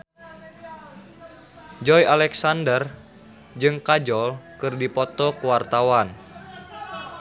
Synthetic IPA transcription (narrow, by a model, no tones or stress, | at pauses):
d͡ʒɔjalɛksandər | d͡ʒɨŋkad͡ʒɔlkɨrdipɔt̪ɔkuwart̪awan